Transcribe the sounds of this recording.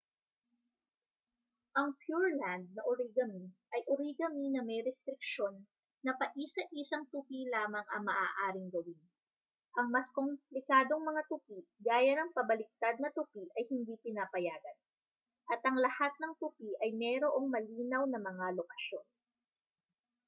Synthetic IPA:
ʔɐŋpjuɹland̪̚nɐʔoɾiɡɐmiʔɐjʔoɾiːɡɐminɐmɛjɾɛst̪ɾɪk̚ʃo̞nː | ɐpɐʔisɐʔisɐŋt̪upilaːmɐŋʔɐŋmɐʔa̰ːʔaːɾɪŋɡɐwin | ʔɐŋmɐskomplɪkaːd̪o̞ŋmɐŋat̪ʊpiɡaːjɐnɐŋpɐbɐlɪk̚t̪ad̪̚nɐt̪ʊpiʔɐjhɪnd̪ipɪnapɐjaːɡɐn | ʔɐt̪ʔɐŋlɐhat̪̚nɐŋt̪ʊpiʔɐjmɛɾoʔo̞ŋmɐliːnɐwnɐmɐŋalokɐʃjo̞n

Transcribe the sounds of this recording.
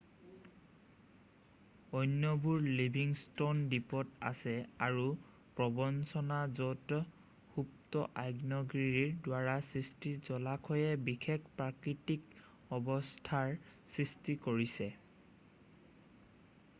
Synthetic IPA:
ɔjnjɔbʱuɹlibʱiŋstondipɔta̰sɛaɹu | pɹɔbɔnsɔnazɔtɔ | hup̚tɔʔajɡnɔɡɹiɹiɹdwaɹasɹistizɔlakʰɔjɛbixʰekʰpɹakɹitik | ɔbɔstʰaɹsɹistikoɹisɛ

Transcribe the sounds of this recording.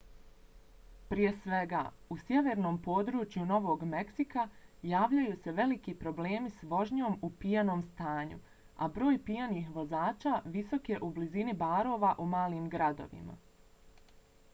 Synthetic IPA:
pɾije̞sʋe̞ɡa̰ː | usje̞ʋe̞ɾno̞ːmpo̞ːd̪ɾuːt͡ʃjuno̞ʋo̞ːɡme̞ksikajaːʋʎajuːse̞ʋe̞likipɾo̞bleːmisʋo̞ʒɲo̞ːmupijano̞ːmst̪aːɲṵ | a̰bɾo̞ːjpijaniːxʋo̞zaːt͡ʃaːʋiso̞ke̞ʔublizinibaːɾo̞ːʋaʔumaːliːmɡɾad̪o̞̰ʋḭma̰

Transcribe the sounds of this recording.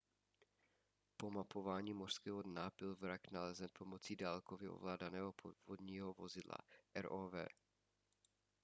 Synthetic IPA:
po̞mapo̞vaːɲiːmor̥skɛːɦodnab̥ɪlvɾaknalɛzɛnpʰo̞mo̞t͡siːdaːlkovɪʔo̰vlaːdanɛːɦo̞povodɲiːɦovo̞zɪdla̰ʔɛɾʔoːvɛ̰ː

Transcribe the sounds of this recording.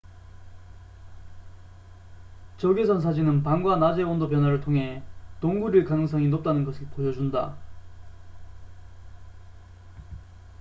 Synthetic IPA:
t͡ɕʌɡesʰʌns̬ʰad͡ʑinɯnpaŋɡwanad͡ʑe̞wʌndop̬jʌnɦwaɾɯɭtʰoŋɦe̞toŋɡuɾiɭkanɯŋs̬͈ʌŋinop̚t͈anɯnɡʌsʰipojʌd͡ʑunda̰

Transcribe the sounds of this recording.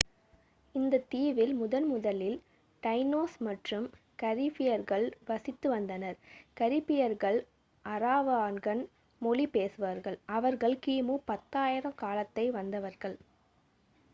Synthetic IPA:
ɪnd̪ɐt̪iːʋɪlmʊðɐnmʊðɐlɪl | ʈɐɪnoːsmɐʈrɯm | kɐɾɪpːɪjɐɾɣɐɭʋɐsɪt̪ːɯʋɐnd̪ɐnɐɾkɐɾɪpːɪjɐɾɣɐɭ | ʔɐɾaːʋaːnɡɐn | mɔɭipeːsɯʋaːɾɣɐɭɐʋɐɾɣɐɭkiːmupɐt̪ːaːjɪɾɐmkaːlɐt̪ːɐɪʋɐnd̪ɐʋɐɾɣɐɭ

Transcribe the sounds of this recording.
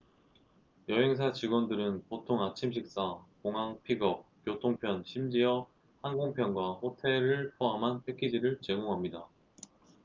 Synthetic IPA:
jʌɦe̞ŋs̬ʰat͡ɕiɡwʌndɯɾɯnpotʰoŋat͡ɕʰimɕ̬ʰik̚s͈akoŋɦaŋpʰiɡʌp̚kjotʰoŋpʰjʌnɕʰimd͡ʑijʌ | hanɡoŋpʰjʌnɡwaɸotʰe̞ɾɯɭpʰoɦamɦanɸe̞kʰid͡ʑiɾɯɭt͡ɕe̞ɡoŋɦamɲida

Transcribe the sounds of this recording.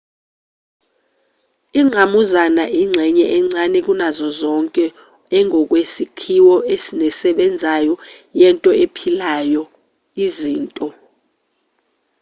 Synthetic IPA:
iŋ͡ǀʱamuzanaʔiŋ͡ǀʱɛɲɛʔɛŋ͡ǀanɛk̬unazɔzɔŋkʼɛ | ɛŋʱɔk̬ʼwesikʰiwɔʔesinɛsɛɓɛnd͡zʱajɔ | jɛntʼɔepʰilajɔ | iziːntʼɔ

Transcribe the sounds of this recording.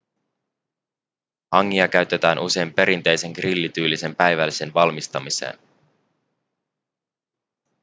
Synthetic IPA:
hɑŋːiɑkæɥt̪e̞t̪æːnʔuse̞jmpe̞ɾint̪e̞jse̞ŋkrilːit̪yːlːise̞mpæjʋælːi̥senʋɑlmist̪ɑmise̞̰ːn

